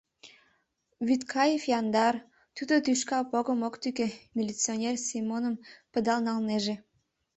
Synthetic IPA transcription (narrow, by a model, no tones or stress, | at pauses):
βyt̪kʰɑjefjɑnd̪ɑr | t̪ud̪ot̪yʃkɑpoɣəmokt̪ykemʲilʲit͡sionʲersimonəmpə̆d̪ɑlnɑlneʒe